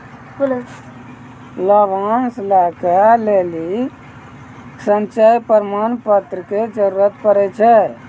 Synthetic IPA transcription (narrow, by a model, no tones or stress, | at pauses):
ləbanslakəleli | sənt͡ʃəjpəɾmanpət̪ɾəked͡ʒəɾuɾət̪pəɾɛt͡ʃʰɛ